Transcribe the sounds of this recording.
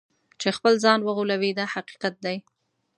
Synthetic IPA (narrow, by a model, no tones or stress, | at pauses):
t͡ʃexpəlzɑnwəɣulawid̪ahaqi̥qat̪̚d̪aj